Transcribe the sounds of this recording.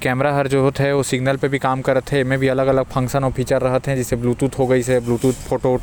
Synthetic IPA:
kɛːmɾaɦɐɾd͡ʒoɦt̪ɦɛʋosɪɡnəlpebʱikaːmkɐɾət̪ɦɛɪmẽbʱiɐləɡɐləɡ̚fʰɐ̃ŋkʃənɔːpʰiːt͡ʃəɾːɐɦət̪ɦɛ̃d͡ʒɪsebluːt̪uːt̪ɦoɡɐisebluːt̪uːt̪pʰoːʈo

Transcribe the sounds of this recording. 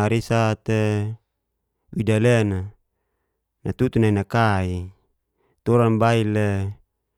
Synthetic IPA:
aɾisat̪e | widalena | nat̪ut̪unainakai | t̪oɾanbaile

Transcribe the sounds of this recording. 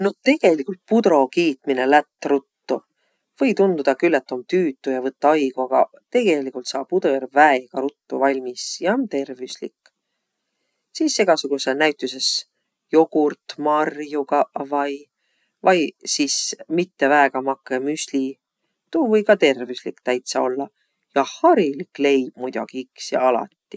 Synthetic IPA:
no̞t̪e̞ɡ̥e̞likˑult̪̚pud̪̥ɾo̞kiːt̪mine̞læt̪ːrut̪ːu | v̥ɤ̞jt̪und̪ud̪̥ɑkylːet̪ːˑo̞mt̪yːt̪ːˑujɑvɤt̪ːˑɑɑjɡ̥uɑɡ̥ɑ̰ | t̪e̞ɡ̥e̞likˑult̪sɑːb̚pud̪̥ojæɾbvæeɡ̥ɑɾut̪ːuvɑlʲmisjɑont̪e̞rvislḭkːˑ | siːse̞ɡ̥ɑsuɡ̥usenæjt̪ːˑuse̞s | jo̞ɡ̥urt̪mɑrjuɡɑvɑj | vɑjsismit̪ːe̞væeɡ̥ɑmɑkːˑemysʲlʲi | t̪uːvɤjkɑt̪e̞rvyslikt̪æjt̪sɑo̞̰lːɑ | jɑhɑɾilikle̞jb̥mujd̪̥ɑ̰ɡ̥iiksjɑ̰ɑlɑ̰t̪ːi̥

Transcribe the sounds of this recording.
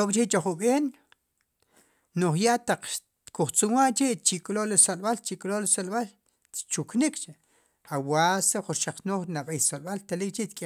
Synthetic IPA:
okʼt͡ʃit͡ʃoχuɓeːn | noχjaʔt̪aq͡χʃ | kuχt͡sumwaʔt͡ʃiʔt͡ʃikʼlolisolɓalt͡ʃikʼlolisolɓal | t͡ʃuknikt͡ʃe | awaseχuɾʃaq͡χnoχnaɓejsolɓalt̪alikʼt͡ʃit̪kʼi

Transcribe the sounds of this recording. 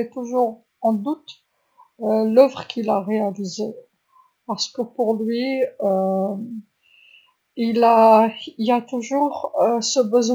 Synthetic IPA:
ɛt̪uʒuʁ | ɑ̃d̪ut̪ | ølœvʁəkʰʲilaʁealize | paʁsə̥kəpuʁlɥiø | ilailat̪uʒuʁøsəbəzw

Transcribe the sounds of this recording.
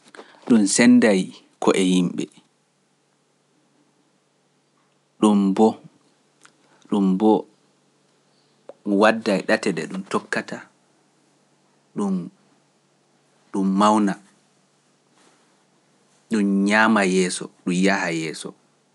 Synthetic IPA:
ɗunsɛndaj | kɔʔɛjimɓɛ̰ | ɗumbɔ | ɗumbɔ | wadːajɗatɛɗɛ̰ɗumtɔkːata | ɗum | ɗumːawna | ɗumɲaːmajɛːsɔ̰ɗumjahajɛːsɔ̰

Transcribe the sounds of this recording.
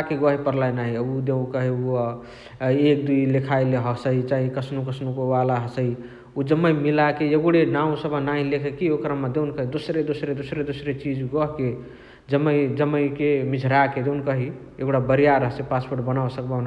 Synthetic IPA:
akeɡəɦipəɾlajnaɦiud̪ẽkəɦiu | ek̚d̪uilekʰaleɦəsəit͡ʃaɦĩkəsnukəsnukowalaɦəsəi | ud͡ʒəmːəjmilakeeɡuɽenaũsəbʱanaɦĩlekʰekiokɾamed̪ewnkəɦid̪osɾed̪osɾed̪osɾed̪osɾet͡ʃid͡ʒɡɔɦke | d͡ʒəmːəjd͡ʒəmːəjkemid͡ʒʱɾaked̪eunkəɦi | eɡɽabəɾijaɾəɦsepaspoɾʈbənawsək̚ban

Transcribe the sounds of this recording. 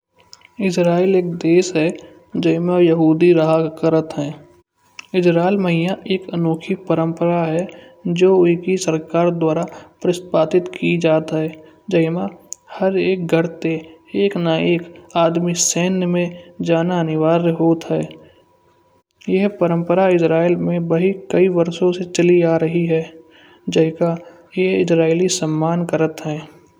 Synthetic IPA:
ɪsɾaːeleːk̚d̪eːsɦɛ | d͡ʒəɪmãjəɦuːd̪iɾaɦakəɾət̪ɦɛ̃ː | ɪd͡ʒɾaːɪlməɦɪjaʔeːkənoːkʰipəɾə̃mpəɾaɦɛd͡ʒoːʊkisəɾkaːɾd̪waːɾapɾɪspaːt̪ɪt̪kʰid͡ʒaːt̪ɦɛː | d͡ʒəɪmahəɾeːk̚ɡʱəɾt̪eeːknaeːkaːd̪miseːnmẽd͡ʒaːnanɪʋaːɾɦoːt̪ɦɛː | jɛɦpəɾə̃mpəɾaɪsɾaːelmẽbɐɦikəiʋəɾsõset͡ʃəliaːɾəɦiɦɛː | d͡ʒɐɦka | jeɦɪsɾaːɪlisəmːaːnkəɾət̪ɦɛ̃ː

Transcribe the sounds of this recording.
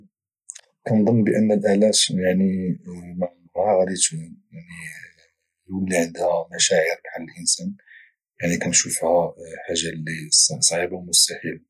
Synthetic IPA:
kænd̪ˤənːbəʔənːəlʔælæt̪jaʕnim | ʕaɣɾit̪ujaʕni | jwəlːiʕənd̪hæmæʃæʕəɾb̪ħalːəlʔənsæn | jaʕnikænʃufhæħaʒːalːissˤʕibawmʊst̪aħil

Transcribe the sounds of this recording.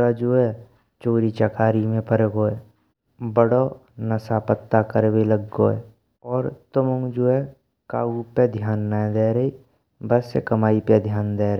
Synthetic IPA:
ad͡ʒoɛ | t͡ʃoːɾit͡ʃəkaːɾimẽpəɾeɡoːe | bəɽo | nəsaːpət̪ːakəɾweləɡːo̰ɛ̰ | ɔːɾt̪əmõŋd͡ʒoːɛ | kaːɡuped̪ʱjaːnːãd̪eːɾəi | bəsekəmaːiped̪ʱjaːnd̪eːɾ

